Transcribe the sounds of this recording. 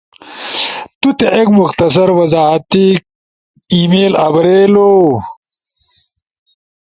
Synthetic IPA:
t̪ut̪eʔekmuxt̪ɐs̬ɐɾwɐzaːɦɐt̪ik | imeːlɐbɾeːloː

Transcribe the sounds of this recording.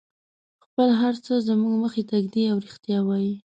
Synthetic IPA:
xpəlɦaɾt͡səzəmuɡməxet̪aɡd̪iawɾixt̪jɑwaji

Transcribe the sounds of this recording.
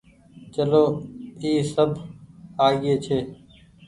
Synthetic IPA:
t͡ʃəloːiːsəbʱaːɡeːt͡ʃʰeː

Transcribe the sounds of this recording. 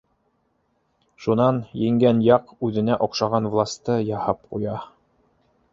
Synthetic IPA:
ʃunɑnjɘ̆ŋɡænjɑqʉðɘ̆næʔŏqʃɑʁɑnvlˠast̪ɤjɑhɑp̚qṵjɑ

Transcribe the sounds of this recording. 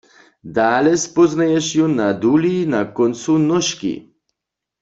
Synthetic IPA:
d̪aːlɛspɔznajɛʃjunad̪ulinakɔnt̪sunɔʃkḭ

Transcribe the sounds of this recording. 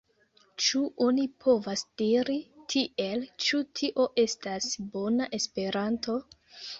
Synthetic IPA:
t͡ʃuʔonipʰo̞vasd̥iɾitʰiʔe̞lt͡ʃutʰiʔo̞ʔe̞stasbo̞naʔe̞spe̞ɾanto̞

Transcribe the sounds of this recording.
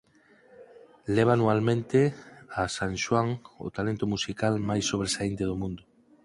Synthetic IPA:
lɛβ̞anualmẽnt̪easanʃwaŋo̰t̪alent̪ʊmusikalmajsːoβɾesaint̪eðomũnd̪ʊ

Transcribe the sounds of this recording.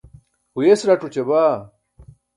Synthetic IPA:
hujesɾaʈ͡ʂut͡ɕebaː

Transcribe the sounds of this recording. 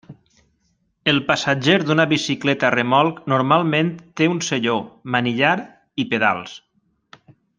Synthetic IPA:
elˠpasad͡ʒeɾd̪unəβisiklɛt̪aremɔlˠknuɾmalˠmẽnt̪ːeunseʎomaniʎaɾ | ipeða̰lˠs

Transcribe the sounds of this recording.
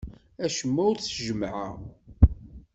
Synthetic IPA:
æʃəmːæʊɾt͡sːʒəmʕa̰

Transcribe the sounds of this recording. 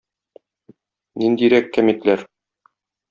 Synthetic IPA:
nind̪iɾækːæmit̪læɾ

